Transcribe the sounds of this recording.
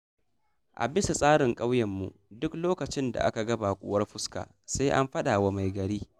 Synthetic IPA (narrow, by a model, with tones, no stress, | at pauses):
ʔa̰˨bɪ˦sa˨sʼaː˦ɽɪ˨ŋkʼa˦wjɐ˨mːṵ˨dʊ˦kloː˦kɐ˨t͡ʃɪ˦nda̰˨ʔa̰˦ka˨ɡɐ˦ba˨kʷʼʊ̰ː˦wɐ˦rɸʊ˦ska̰ː˨ | sa˦ʔa̰˦mɸɐ˦ɗaː˨wa˦ma˨jɡɐ˨ɽiː˦